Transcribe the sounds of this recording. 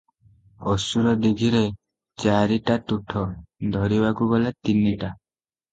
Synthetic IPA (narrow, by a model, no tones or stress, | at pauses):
ɔsuɾɔd̪iɡʱiɾe | t͡ʃaɾiʈat̪uʈʰɔd̪ʱɔɾibakuɡɔlat̪iniʈa